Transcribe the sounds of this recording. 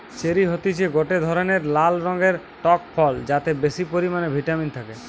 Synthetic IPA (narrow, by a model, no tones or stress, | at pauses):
t͡ɕeɾiɦot̪it͡ɕʰeɡoʈed̪ʱɔɾoneɾlalɾɔŋɡeɾ | ʈɔk̚pʰɔld͡ʑat̪ebesipoɾimanebʱiʈamint̪ʰake